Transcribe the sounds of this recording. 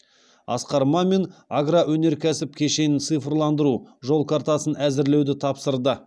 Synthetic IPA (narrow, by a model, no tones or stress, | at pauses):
ɑ̰sqɑɾmɑme̞naɡɾawɵne̞ɾkʲʰæsɪp̚kʲʰe̞ʃe̞nɪnt̪sɨjfrlˠɑnd̪əɾuʒo̞lˠkʰaɾt̪ɑsənæzɪɾle̞wd̪ɪt̪ʰɑpsəɾd̪ə